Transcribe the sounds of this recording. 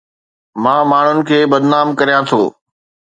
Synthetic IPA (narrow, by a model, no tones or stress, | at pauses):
mãːmaːɳ̤ʊnɪ̆kʰeːbɐd̪naːmkɐɾijãt̪ʰoː